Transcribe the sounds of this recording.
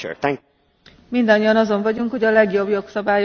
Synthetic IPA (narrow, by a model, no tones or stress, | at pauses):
ṵt̪ɛ̃ŋ | mind̪ɒɲːijɒnɒzo̞ɱvɒɟuŋkhoɟɒlɛɡjo̞bjo̞ksɒbaːj